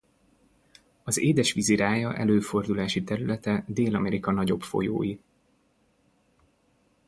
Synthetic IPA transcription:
ɒzeːd̪ɛʃʋiziɾaːjɒʔɛ̰løːfo̞rd̪ulaːʃit̪ɛɾylɛt̪ɛd̪eːlɒmɛɾikɒnɒɟo̞pfo̞̰jo̰ːji

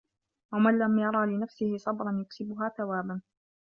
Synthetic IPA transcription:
wamanlamjɑɾˤɑːlɪnafsɪhɪsˤɑbɾˤɑnjʊksɪbʊɦaːθawaːban

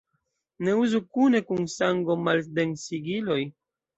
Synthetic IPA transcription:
ne̞uzukune̞kunsaŋɡo̞malde̞nsiɡilo̞j

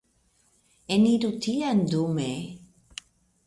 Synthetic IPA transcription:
eniɾut̪ʰiand̪ume

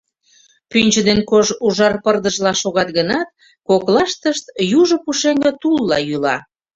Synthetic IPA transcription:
pynʲt͡ɕə̆d̪enkoʒuʒɑrpərd̪əʒlɑʃoɣɑt̪̚ɡənɑt̪̚ | koklɑʃt̪əʃt̪juʒopuʃeŋɡə̆t̪ulːɑjylɑ̰

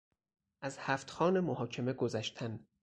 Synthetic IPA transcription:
ʔæzhæːft̪xɒːnemohɒːcʰe̞meɡozæʃt̪ʰæn

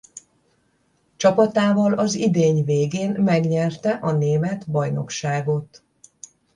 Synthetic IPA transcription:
t͡ʃɒpɒt̪aːvɒlɒzid̪eːɲveːɡeːnmɛɡɲɛrt̪ɛʔɒneːmɛt̪bɒjno̞̰kʃaːɡo̞t̪

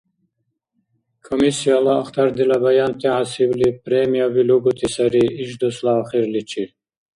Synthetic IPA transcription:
kʰomisijalaːxt̪ʰaɾd̪ilabajɑnt̪ʰiʕasiblipɾemijaviluɡut̪ʰisaɾiːʃd̪uslaːχiɾlit͡ʃʰi

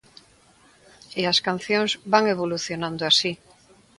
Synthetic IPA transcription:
easkan̟θjõŋzbaŋeβ̞oluθjonãnd̪oasi

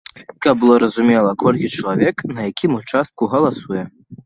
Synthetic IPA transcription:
kɐbbɨlˠɔɾɐzumʲɛlˠɐkɔlʲkʲit͡ʂɐlˠavʲɛknɐjakʲimut͡ʂast̪̚kuɣɐlˠasujɛ

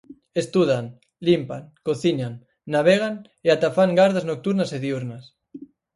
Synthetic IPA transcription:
est̪uðaŋ | limpa̰ŋkoθiɲaŋː | aβeɣ̞aŋ | eat̪afaŋɡaɾðaznok̚t̪uɾnaseðiuɾnas

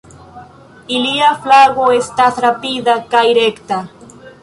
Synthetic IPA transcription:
iliaflaɣoest̪at̪ɾapiðakajɾekt̪a

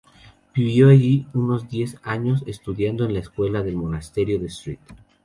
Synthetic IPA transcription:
b̥iβjo̞aʝiuno̞zd̪je̞saɲo̞se̞st̪uðjand̪oenlaeskwe̞laðe̞lmo̞nast̪e̞ɾjo̞ðest̪ɾḭt̪

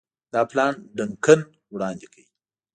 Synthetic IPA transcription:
d̪ɑplɑnɖəŋkən | wɽɑnd̪ekʰawi

